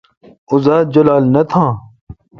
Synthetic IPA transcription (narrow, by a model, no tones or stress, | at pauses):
ʊzaːd͡ʑɐlaːlnɐt̪ʰãː